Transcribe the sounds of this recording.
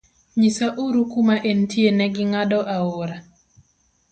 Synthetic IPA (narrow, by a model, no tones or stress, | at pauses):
ɲisaʔuɾukumaʔentjenɛɡɪŋadɔʔaoɾa